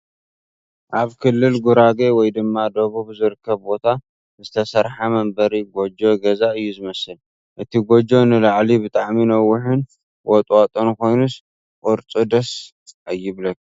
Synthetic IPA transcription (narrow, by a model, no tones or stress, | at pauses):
ʔaβkʰɨlːɨlɡuɾaɡewɔjd̪ɨmːad̪ɐβuβzɨɾɨkʰːɐβbo̞t̪ʰa | zɨt̪ʰɐsɐɾħamɐmbɐɾiɡod͡ʒo̞ɡɐzaɨjːuzɨmɐsɨl | ʔɨt̪ʰiɡod͡ʒo̞nɨlaʕlibɨt̪ʼaʕminɐwːʊħɨn | wʔɔt̪ʼwat̪ʼonkʰo̞jnus | ʔʼuɾt͡sʼud̪ɐs | ʔajːɪβlɐk